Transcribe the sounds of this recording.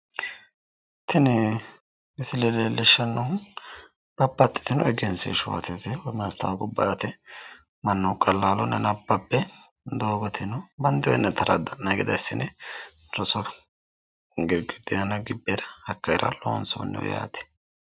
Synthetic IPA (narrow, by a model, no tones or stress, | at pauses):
t̪ɪn | mɪsɪlɛleːlɛʃːɐnːɔhʊn | b̥ɐbːɐt̪ʼːɪ̥t̪ɪnɔɛɡɛnsḛʃʊwɐ̰t̪ɛt̪ɛwɔmɐst̪ɐwɡʊbːɐ̰ʔɐt̪ɛ | mɐnːɔkʼɐlːaːlɔnɛnɐbːɐbːɛ | d̪oːɡɔt̪ʰɪnɔbɐnd̪ɪwɛ̰nːɛt̪ʰɐɾʔɐ̰d̪ɐnnɐɡɪd̪ɐɪsːɪnɛ | ɾɔsɔ | ɡɪɾɡɪd̪ɪjɐnɐɡɪbːeɾɐhɐkːɐjɪɾʔɐ̰lo̰ːnso̰nːɛ̰w̰ja̰ːt̪ɛ̥